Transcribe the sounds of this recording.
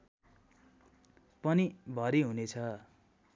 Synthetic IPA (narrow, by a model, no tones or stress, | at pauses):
pʌnibʱʌɾiɦunet͡sʰʌ